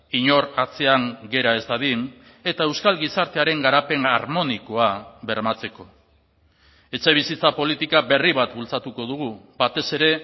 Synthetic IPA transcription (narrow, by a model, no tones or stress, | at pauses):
iɲo̞ɾat͡se̞aŋɡe̞ɾae̞zd̪aðin | e̞t̪ae̞wskalɡisaɾt̪eaɾe̞ŋɡaɾape̞ŋaɾmo̞niko̞abe̞ɾmat͡se̞ko̞ | e̞t͡ʃe̞β̞isit͡sapo̞lit̪ikaβe̞riβat̪bult͡sat̪uko̞ðuɣ̞ubat̪e̞se̞ɾe̞